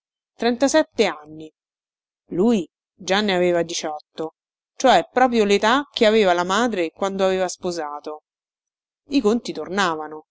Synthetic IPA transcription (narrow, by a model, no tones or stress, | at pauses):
t̪ɾɛnt̪asɛt̪ːeanːi | luːj | d͡ʒanːeaveːvad̪it͡ʃɔt̪ːo | t͡ʃoɛpːɾɔːpɾjolet̪ak̟eaveːvalamaːd̪ɾekwand̪oaveːvaspozaːt̪o | ikont̪it̪ornaːvano